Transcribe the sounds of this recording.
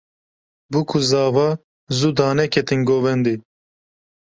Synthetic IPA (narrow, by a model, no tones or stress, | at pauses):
bukʰuzɑːvɑː | zud̪ɑːnɛkʰɛt̪inɡoːvɛnd̪i